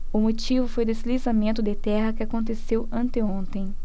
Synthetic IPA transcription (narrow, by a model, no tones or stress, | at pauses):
ʊmot͡ʃivʊfojd̪esɪlizamẽnt̪ʊd̪ɪt̪ɛɦɐkɪakõnt̪esewɐ̃nt̪ɪõnt̪ẽj̃